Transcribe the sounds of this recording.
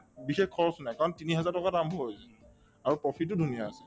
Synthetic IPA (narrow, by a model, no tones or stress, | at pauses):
bixekkʰːɔɹɔsunajkaɹɔntiniɦɛzaɹtɔkatambɔɦojsɛ | aɹupɹɔpʰit̚tːʊdʱunijaːsɛ